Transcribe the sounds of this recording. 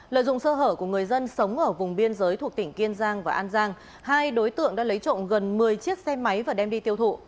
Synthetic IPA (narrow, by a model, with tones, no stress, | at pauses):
lə̰ː˧˨jzʊ̰˧˨ŋ͡msəː˧ɦəː˧˩ku˧˩əŋɨ˨˩əjzə˧nsə˨˦wŋ͡mʔəː˧˩vʊ˨˩ŋ͡mɓi˧ənzəː˨˦jt̪ʰu˨˩ək̚t̪ï˧˩ŋ̟ki˧ənzaː˧ŋvaː˨˩ʔaː˧nzaː˧ŋ | haː˧jɗo˨˦jt̪ɨ̰˧˨əŋɗa̰ː˧˥lə˨˦jt͡ɕo̰˧˨nɣə˨˩nmɨ˨˩əjt͡ɕi˦˥ət̚sɛ˧ma˨˦jvaː˨˩ɗɛ˧mɗi˧t̪i˧əwt̪ʰṵ˧˨